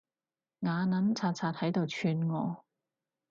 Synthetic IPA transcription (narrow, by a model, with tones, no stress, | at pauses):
ŋaː˨˧nɐ˨˥nt͡sʰaː˧t̚t͡sʰaː˧t̚hɐ˨˥jt̪o˨wt͡ʃʰyː˧nŋɔː˨˧